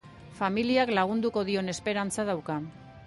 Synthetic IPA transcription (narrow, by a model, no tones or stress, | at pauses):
familiaklaɣ̞und̪uko̞ð̞io̞ne̞spe̞ɾant͡saðawka